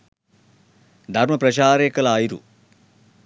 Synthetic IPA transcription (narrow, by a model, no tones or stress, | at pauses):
d̪ʱɐrmɐprɐɕaːɾeːkːɐlaːjiɾṵ